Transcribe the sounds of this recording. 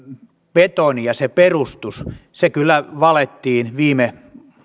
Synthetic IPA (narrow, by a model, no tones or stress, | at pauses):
pet̪onijɑseperust̪ussekylːæʋɑlet̪ːiːnʋiːme